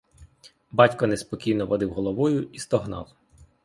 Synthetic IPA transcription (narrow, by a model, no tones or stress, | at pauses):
bɑtʲkɐnespɔkʲijnɔʋɐd̪ɪwɦɔlˠɔʋɔjʊist̪ɔɦnɑ̰w